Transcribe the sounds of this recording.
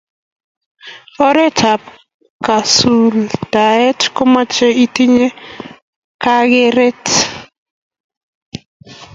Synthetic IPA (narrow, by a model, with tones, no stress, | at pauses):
ɔ˦ɾe˦t͡ʃa˨p | ka˨su˨ld̥a˨ɛ˦tko˦ma˦t͡ʃe˦i˦ti˦ɲe˦ | ka˦ɡe˦ɾe˦t